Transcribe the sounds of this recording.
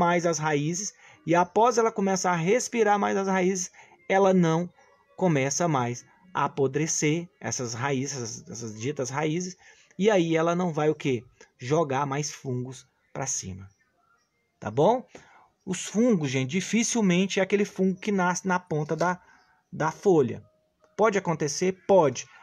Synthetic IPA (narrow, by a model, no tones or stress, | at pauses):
majzɐsɦaizɪs | ɪapɔzɛlɐkõmɛsɐːɦespiɾaɾmajzɐshaizɪs | ɛlɐnɐ̃w̃ | kõmɛsɐmajs | a̰ːpod̪ɾeseɾɛ̰sɐsɦaizzɛsɐzɛsɐzd͡ʒit̪ɐsɦaizɪs | ɪaiɛlɐnɐ̃w̃vajʊkeʒoɡaɾmajsfũɡʊs | pɾasḭ̃mɐ | t̪a̰bõw̃ | ʊsfũɡʊzʒẽt͡ʃd͡ʒifisiwmẽnt͡ʃɪɛakelɪfũɡʊkɪnasɪnɐpõnt̪ɐd̪ɐ | d̪ɐfoʎɐ̰ | pɔd͡ʒɪakõnt̪eseɾpɔd͡ʒɪ